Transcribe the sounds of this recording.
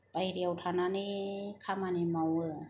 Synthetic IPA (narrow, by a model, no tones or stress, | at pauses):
pajɾiawtʰananikʰamanimawɯ